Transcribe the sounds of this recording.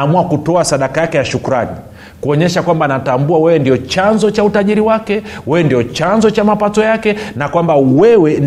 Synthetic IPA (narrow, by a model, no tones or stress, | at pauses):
muakutɔasaɗakajakɛjaʃukuɾani | kuɔɲɛʃakwambanatambuawɛwɛndiɔt͡ʃanzɔt͡ʃautaʄiɾiwakɛwɛwɛndijɔt͡ʃanzɔt͡ʃamapatɔjakɛnakwambawɛwɛn